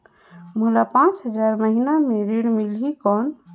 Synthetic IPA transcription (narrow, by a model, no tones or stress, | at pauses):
mulapãt͡ʃɦəd͡ʒaɾməɦinameɾeɽmilɦikɔn